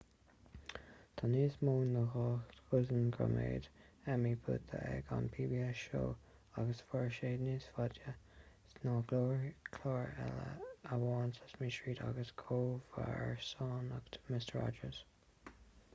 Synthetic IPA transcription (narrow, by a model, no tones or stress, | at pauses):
t̪ʰaniːsmoːnːəxɑːxt̪xʊzənɡɹa̰mḛːd̪ɛmipʰʊ̰t̪̚ə̰ʔɛ̰ɡɑ̰npʰiːbiɛsʃo̰ː | aɡəsfəɹʃeːdniːsfadjə | snɑːɡloːɹkʰlɔːɹɛ̰lə̰awɑːnsə̥smiːʃɹiːda̰ɡəskʰoːva̰ɹsɑːnəɡmɪstəɹɑ̰d͡ʒəz̥